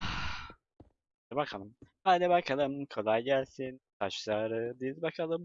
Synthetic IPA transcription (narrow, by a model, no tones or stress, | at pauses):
ad̪ɛbakʰalˠɯmhad̪ɛbakʰalˠɯmkʰo̞lˠajɟælʲsink̪ʰaʃlˠaɾɯd̪izbakʰalˠɯm